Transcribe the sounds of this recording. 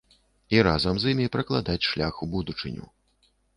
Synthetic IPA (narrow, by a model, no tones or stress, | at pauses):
iɾazɐmzimʲipɾɐklˠad̪at͡sʲʂlʲaxubud̪ut͡ʂɨ̰nʲṵ